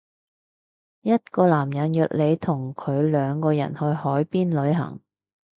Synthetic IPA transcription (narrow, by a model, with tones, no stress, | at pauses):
jɐ˥t̚kɔː˧laː˨˩mjɐ˨˥njœː˨k̚le˨˧jt̪ʰʊ˨˩ŋkʰɵ˨˧ɥlœː˨˧ŋkɔː˧jɐ̰˨˩nhɵ˧ɥhɔː˨˥jpiː˥nlɵ˨˧˥ɥɦɐ̰˨˩ŋ